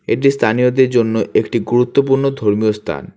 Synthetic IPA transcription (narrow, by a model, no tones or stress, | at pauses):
ḛʈ̬ist̪ʰanijod̪eɾd͡ʑonːoʔekʈiɡuɾut̪ːopuɾnod̪ʱoɾmijost̪ʰa̰n